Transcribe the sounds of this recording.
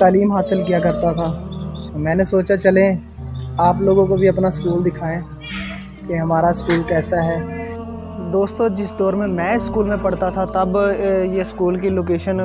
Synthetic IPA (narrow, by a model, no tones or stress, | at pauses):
t̪aːliːmɦaːsɪlk̬ijakɐɾt̪at̪ʰaːmɛ̃ːnesoːt͡ʃat͡ʃɐlẽ | aːploːɡõkobʱiɐpnaskuːld̪ɪkʰaːẽː | keɦɐmaːɾaɪskuːlkɛːsaɦɛː | d̪oːst̪õd͡ʒɪsd̪ɔːɾmẽmɛ̃ːɪskuːlmẽpɐɽ̤t̪at̪ʰat̪ɐbjeskuːlk̬iloːk̬eːʃən